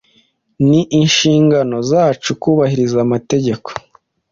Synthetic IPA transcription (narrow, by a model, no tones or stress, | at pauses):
niʔinʃiːŋɡano̞zaːt͡ʃukuːβahiɾizamate̞ɟe̞ko̥